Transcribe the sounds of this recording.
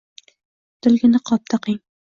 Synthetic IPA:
d̪̥ɪ̆lɡʲɪnɪqʰɒp̚t̪ʰaqɪŋ

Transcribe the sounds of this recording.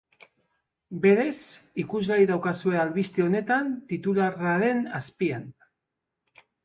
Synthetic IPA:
be̞ɾe̞sikuzɣaɾiðawkasue̞alβist̪eo̞ne̞t̪ant̪it̪ularaɾe̞naspian

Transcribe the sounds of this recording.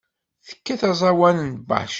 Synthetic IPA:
θə̥kːæθæzˤɑwænənba̰ħʃ

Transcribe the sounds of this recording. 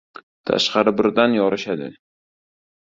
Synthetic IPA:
t̪ʰa̰ʃqɑɾɪbɪɾd̪anjɒɾɪʃad̪ɪ̰

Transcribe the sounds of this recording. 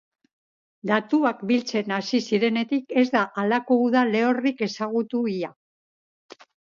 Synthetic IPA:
d̪at̪uakbilt͡se̞nasisiɾe̞ne̞t̪ike̞zd̪aʔalako̞uðale̞o̞rike̞saɣ̞ut̪uia

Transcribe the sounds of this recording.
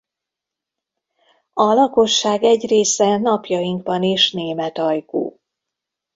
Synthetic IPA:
ɒlɒko̞ʃːaːɡɛɟreːsɛnɒpjɒjiŋɡbɒneːʃneːmɛt̪ɒjkṵː

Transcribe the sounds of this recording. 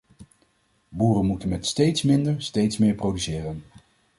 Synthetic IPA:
buːrənmutənmɛtstejtsmɪndəɹstejtsmɪːɹprowdysɪːrən

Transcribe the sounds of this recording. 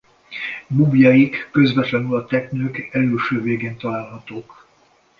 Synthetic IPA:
mubjɒjikːø̞zvɛt̪lɛnylɒt̪ɛknøːkɛløːʃøːveːɡeːnt̪ɒlaːlɦɒt̪oːk

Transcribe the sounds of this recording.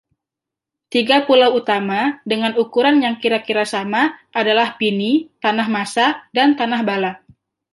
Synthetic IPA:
t̪iɡapulawut̪amadəŋanukuɾanjaŋkiɾakiɾasamaʔadalahpinit̪anaɦmasadant̪anahbala

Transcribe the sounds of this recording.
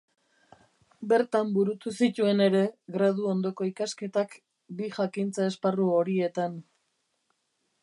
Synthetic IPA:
be̞ɾt̪ambuɾut̪usit̪ue̞ne̞ɾe̞ɣɾaðuo̞nd̪o̞ko̞ikaske̞t̪ak | biʝakint͡sae̞sparuo̞ɾie̞t̪an

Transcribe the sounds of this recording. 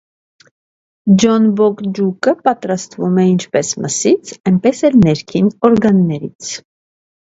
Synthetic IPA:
d͡ʒɔnbɔkd͡ʒukəpɑt̪ɾɑst̪vumɛint͡ʃʰpɛsmʔəsit͡sʰɛnpɛsɛlnɛɾkʰinɔɾɡɑnːɛɾḭt͡sʰ

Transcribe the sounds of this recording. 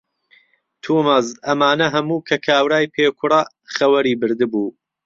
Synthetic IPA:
t̪ʰuːmɐzɐmaːnɐɦɐmuːkʰɐkʰaːwɾaːjpʰeːkʰʊɾɑ | χɐwɐɾiːbɨɾd̪ɨbuː

